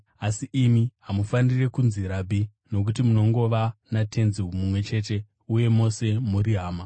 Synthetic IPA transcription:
asiʔimiɦamufanire̞kunziɾabʱi | no̞k̬utimuno̞ŋɡo̞ʋanatʰe̞nziɦumumwe̞t͡ʃe̞ːte̞ | uje̞mo̞se̞muɾiɦaːma

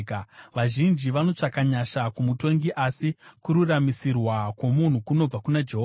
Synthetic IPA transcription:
kʋaʒind͡ʒiʋano̞t͡ʂakaɲaʃakumuto̞ŋɡiʔasikuɾuramisirwakwo̞mun̤ukuno̞b͡vakunad͡ʒeɦo

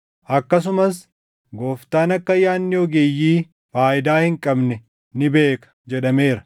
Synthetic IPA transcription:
ʔɐkːɐs̬ʊmɐs | ɡo̞ːft̪aːnɐkːɐjaːnːɪɔɡejːiː | faːʔɪd̪aːhɪŋkʼɐbnɛ | nɪbe̞ːkɐ̥d͡ʒɛᶑɐme̞ːɾɐ

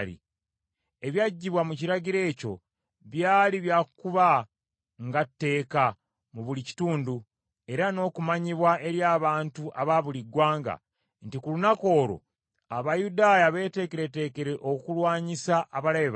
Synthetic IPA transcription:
lḭ | e̞βjaɟːiβwamuciɾaɟiɾe̞ːco̞ | βjaːliβjaːkkuβa | ŋɡatːe̞ːka | muβulici̥tuːndu | e̞ɾano̞ːkumaɲiβwaʔe̞ɾjaːβaːntuʔaβaβuliɡwaːŋɡa̰ | ntikulunako̞ːɾo̞̰ | aβajudaːjaβe̞ːte̞ːke̞ɾe̞te̞ːke̞ɾeʔokukulwaːɲisaʔːβalaβeβ

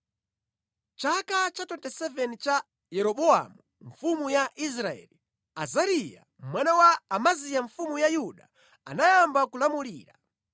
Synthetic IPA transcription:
t͡ʃakat͡ʃatɔntɛsɛvɛnit͡ʃa | jɛɾɔɓɔa̰mu | ɱ̩fumujaʔis̬ɾaɛ̰li | azaɾija̰ | mwanawaːmazijaɱfumujajuɗa̰ | a̰najambakulamuliːɾa

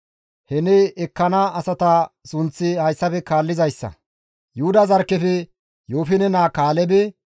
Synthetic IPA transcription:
hɛnɛɛkːɐnaʔɐsɐt̪ɐsʊnt͡sːɪhɐjsːɐfɛkaːlːɪzɐjsːɐ̰ | jʊhʊd̪ɐzɐɾkːɛfɛ | joːfɪnɛnaːkaːlɛbɛ

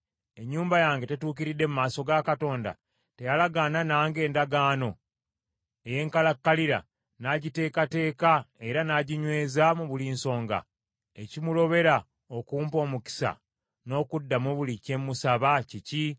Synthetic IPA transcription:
e̞ɲːuːmbajaːŋɡe̞te̞tuːkiɾidːe̞mumaːso̞ɡakato̞ːnda̰ | te̞jalaɡaːnanaːŋɡe̞ːndaɡaːno̞ | e̞je̞ːŋkalakːaliɾa̰ | naɟite̞ːkate̞ːkae̞ɾanaɟiɲwe̞ːzamuβuliːnso̞ːŋɡa̰ | e̞cimulo̞βe̞ɾa | okuːmpo̞ːmuki̥sa̰ | no̞ːkudːamoβulice̞mːusaβacici

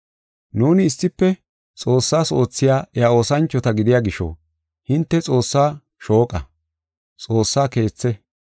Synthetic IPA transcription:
nuːnɪːsːɪpːɛ | t͡sʼo̞ːsːaːso̞ːt͡sːɪjaːʔɛjaoːsɐnt͡ʃːɔt̪ɐɡɪd̪ɪjaːɡɪʃɔ̰ | hɪnt̪ːɛt͡sʼo̞ːsːaː | ʃo̞ːkʼɐ | t͡sʼo̞ːsːaːke̞ːt͡sːɛ

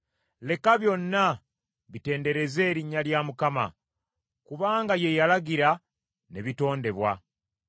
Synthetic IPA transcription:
le̞kaβjo̞nːa | βite̞ːnde̞ɾe̞ze̞ːɾiɲːaljaːmukama̰ | kuβaːŋɡaje̞jalaɡiɾa | ne̞βito̞ːnde̞βwa̰

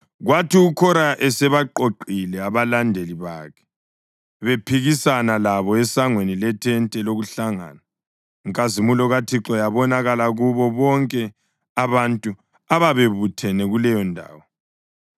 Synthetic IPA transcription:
ɣwatiukʰɔɾaʔɛsɛβaǃoǃilɛaβalandʱeliβaːkʰɛ̥ | βepʰiɣisanalaβɔɛsaŋwenilɛtʰɛntʼɛloɣuɬaŋa̰ːna | iŋkʼazimulɔɣatʰiǁɔjaβɔnaɣalaɣuβɔβɔŋkʼɛ | aβantʼu | aβaβeβutʰɛnɛɣulɛjɔndʱa̰ːwɔ

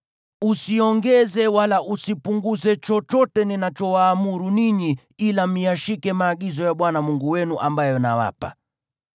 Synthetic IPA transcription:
usiɔŋɡɛzɛwalaʔusipuŋɡuzɛt͡ʃɔt͡ʃɔtɛninat͡ʃɔwaːmuɾuniɲi | ilam̩iaʃikɛmaːɠizɔjaɓwanamuŋɡuwɛnuʔambajɔna̰wa̰pa̰

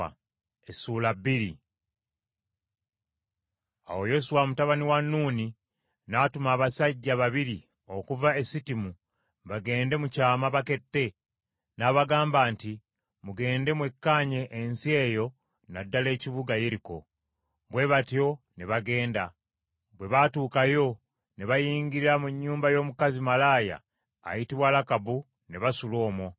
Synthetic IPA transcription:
a | esuːlabiɾi | a̰wo̞jo̞suwamutaβaniwanːuːni | natumaːβasaɟːaβaβiɾi | o̞kuvae̞sitimu | βaɡe̞ːnde̞mucaːmaβake̞tːe̞ | naβaɡaːmbaːnti | muɡe̞ːnde̞mwe̞kːaːɲe̞ʔːnsie̞jo̞ | nadːale̞ːciβuɡaje̞ɾiko̞̰ | βwe̞βato̞ | neβaɡe̞ːnda | βwe̞βatuːkajo̞ | neβajiːɲɡiɾiɾamuɲːuːmbajo̞ːmukazimalaːja̰ː | jitiβwaːlakabu | neβasulo̞ːmwo

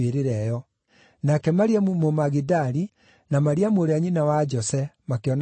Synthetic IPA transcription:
eɾeɾɛjɔ | nakɛmaɾiamomaɣidaɾi | namaɾiamoɾeaɲinawad͡ʒɔsɛmakeɔn

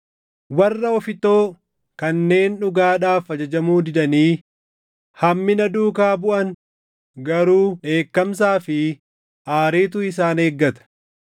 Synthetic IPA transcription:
wɐrːɐɔfɪt̪o̞ː | kɐnːe̞ːnᶑʊɡaːᶑaːfɐd͡ʒɐd͡ʒɐmuːd̪ɪd̪ɐniː | hɐmːɪnɐd̪uːkaːbʊʔɐn | ɡɐɾuːᶑe̞ːkːɐms̬aːfɪ | ʔaːɾeːt̪̬ʊɪs̬aːneːɡːɐt̪ɐ̥

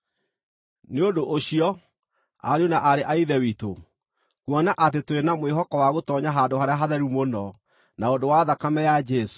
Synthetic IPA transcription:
neodoʔoɕiɔ | a̰ɾeonaʔaɾeʔaiðɛwito | kwɔnaʔat̬etwenamweɦɔkɔwaɣotɔɲaɦandoɦaɾeaɦaðɛɾumonɔ | naodowaðakamɛjad͡ʒɛso̥

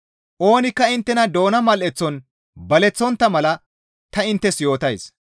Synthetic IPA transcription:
ʔo̞ːnɪkːɐɪnt̪ːɛnɐd̪o̞ːnɐmɐlʔɛt͡sːɔn | bɐlɛt͡sːɔnt̪ːɐmɐlɐ | t̪ɐɪnt̪ːɛsjo̞ːt̪ɐjs

